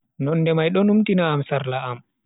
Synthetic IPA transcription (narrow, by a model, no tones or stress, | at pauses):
nɔnːdɛmajɗɔnumtinaːmsaɾlaam